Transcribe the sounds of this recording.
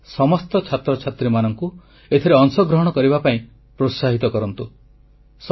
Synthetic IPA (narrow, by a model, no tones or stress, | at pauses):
sɔmɔst̪ɔt͡ʃʰat̪ɾɔt͡ʃʰat̪ɾimanɔŋku | et̪ʰiɾeɔŋsɔɡɾɔɦɔɽ̃ɔkɔɾibapaĩ | pɾosaɦit̪ɔkɔɾɔnt̪u | s